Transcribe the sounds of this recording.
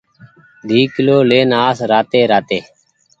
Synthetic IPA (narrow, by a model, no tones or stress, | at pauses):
d̪ʱiːkɪloːleːnaːsɾaːt̪eːɾaːt̪eː